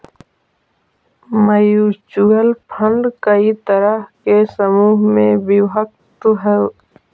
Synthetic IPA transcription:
məjut͡ʃuəlpʰə̃ɳɖkəit̪əɾəɦkesəmuːɦmẽbɪwɦək̚ | t̪ɦɛ

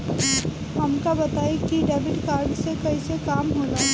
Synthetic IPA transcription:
ɦɐmkabɐt̪aːekiɖeːbɪʈkaːɾɖsekɐisekaːmɦoːd͡ʒa

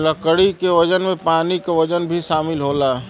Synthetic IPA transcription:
lɐkəɽikeʋɐd͡ʒənmẽpaːnikaʋɐd͡ʒənbʱiʃaːmɪlɦoːla

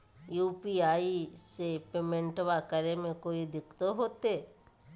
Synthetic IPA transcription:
juːpiaːisepeːmẽɳʈʋakəɾemẽkoːid̪ɪkt̪oɦoːt̪eː

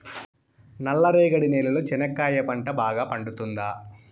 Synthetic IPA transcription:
nɐlːɐɾɛːɡɐɽineːlulut͡ʃɛnɐkːaːjɐpɐɳʈɐbaːɡaːpɐɳɖut̪und̪aː

